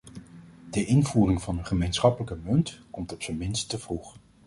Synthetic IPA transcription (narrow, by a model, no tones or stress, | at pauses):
dəʔɪnvuːrɪŋvɑnənχəmejnsχɑpələkəmɵntkɔmtɔpsəmɪnstəv̥ruχ